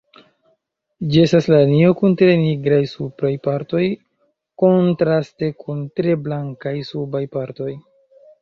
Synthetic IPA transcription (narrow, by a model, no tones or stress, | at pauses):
d͡ʒie̞staslanio̞kuntɾe̞niɡɾajsupɾajpaɾto̞j | ko̞ntɾaste̞kʰuntɾe̞blaŋkajsubajpaɾto̞j